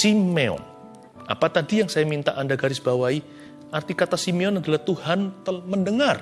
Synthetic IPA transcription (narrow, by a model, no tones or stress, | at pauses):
simeɔ̰n | a̰pat̪adijaŋsajamint̪aʔandaɡaɾɪsbawai | ʔart̪ikat̪asimeɔnadalaht̪uhant̪əlməndəŋar